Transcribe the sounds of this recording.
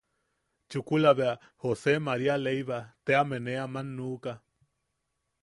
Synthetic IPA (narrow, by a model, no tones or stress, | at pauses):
t͡ʃukulaβea | hosemaɾialejβat̪eameneamanːuːka